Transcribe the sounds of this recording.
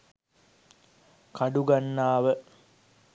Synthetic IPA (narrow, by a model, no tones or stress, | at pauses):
kaɖuɡanːaːʋə